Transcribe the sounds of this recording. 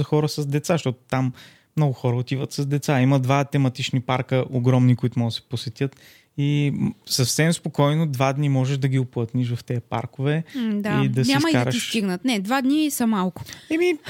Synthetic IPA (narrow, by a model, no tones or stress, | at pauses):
zɐxɔɾəsəzd̪ɛt̪saʃt̪ɔt̪ʊ̥t̪amː | nɔɡʊxɔɾəot̪ivət̪sɐzd̪ɛt̪saiməd̪vat̪ɛmɐt̪it͡ʃnipaɾkəʔoɡɾɔmnikoit̪ʊmɔɡd̪sɛ̥posɛt̪jət̪ | isɐfsɛmspokɔjnod̪vad̪nimɔʒɛʃd̪ɐɡʲiʊplˠət̪niʃ̬vɐft̪ɛɐpa̰ɾkʊvɛd̪aid̪ɐsɲʲɛaməidkaɾəisʃt̪iɡnət̪nɛd̪vad̪nisɐmalˠkʊ̥ɛmi